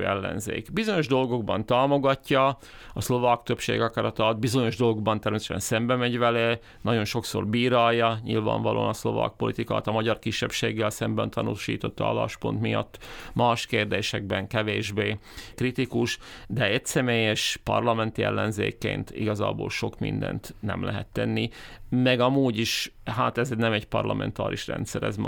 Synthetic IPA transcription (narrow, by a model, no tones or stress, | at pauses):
ɛlːɛ̰nzḛːkbizo̞ɲo̞ʒd̪o̞lɡo̞ɡ̚bɒnt̪aːmo̞ɡɒcːɒ | ɒslo̞vaːkt̪øpʃḛːɡɒkɒɾɒt̪ɒd̪̚bizo̞ɲo̞ʒd̪o̞lˠɡoɡbɒnt̪ɛrmeːsɛʃɛ̰nsɛmbɛmɛɟʋɛle | nɒɟo̞nʃo̞kso̰rbiːɾaːjːɒɲḭlva̰ːɱvɒlʔo̰ːnɒslo̞̰va̰ːk̚po̞lit̪ika̰ːt̪ɒmɒɟɒrkiʃːɛpʃeːɡːɛlsɛmbɛnt̪ʰɒnuːʃḭːt̪o̞t̪ːɒɑ̰la̰ːʃpo̞̰nt̪mijɒ̰t̪ːmaːʃkeːrd̪eːʃɛɡ̚bɛŋkɛveːʒbeː | krit̪ikuʃd̪ɛɛcsɛmeːjɛʃpɒ̰rlɒmɛnt̪iɛlːɛnzeːkːḛːnt̪ḭɡɒza̰ːbo̰ːlʃo̞kmḭnd̪ɛ̰nt̪nɛ̰mlɛɦɛt̪ːɛnːimɛɡɒmuːɟiʃɦaːt̪ɛznɛmɛɟpɒrlɒmɛ̰nt̪a̰ːɾiʃrɛ̰nt̪sɛɾɛzm